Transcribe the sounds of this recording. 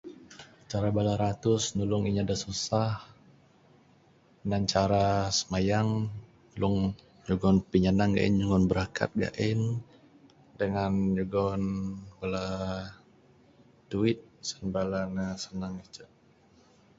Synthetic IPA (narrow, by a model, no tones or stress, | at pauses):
t͡ʃaɾabalaɾat̪ʊsnulʊŋiɲadasusah | nant͡ʃaɾasə̥majaŋ | nulʊŋ | d͡ʒuɡɔnpiɲanaŋɡa̰ʔḭnd͡ʒuŋɔnbəɾakʰa̰t̪̚ɡa̰ʔɪn | dəŋand͡ʒuɡɔnbala | duɪt̪̚sənbalanasənaŋit͡ʃa